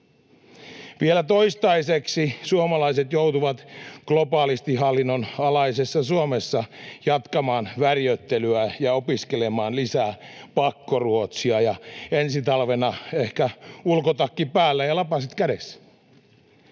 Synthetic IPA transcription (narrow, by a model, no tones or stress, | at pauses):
ʋielæt̪o̞ist̪ɑiseksisuomɑlɑiset̪jowt̪uʋɑt̪ɡ̥lopɑːlist̪iɦɑlːinːonɑlɑisesːɑsuomesːɑjɑt̪kɑmɑːnʋærjøt̪ːelyæjɑopiskelemɑːnlisæːpɑkːoruot̪siɑjɑensit̪ɑlʋenɑehkæulkot̪ɑkːipæːlːæjɑlɑpɑsit̪kædes